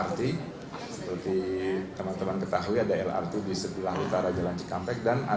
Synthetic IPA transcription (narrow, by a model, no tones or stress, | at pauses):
art̪i | səpərt̪it̪əmant̪əmankət̪aɦuiadaɛla̰rt̪idisət̪ilahut̪aɾad͡ʒalaɲt͡ʃi̥kampɛk̚dana̰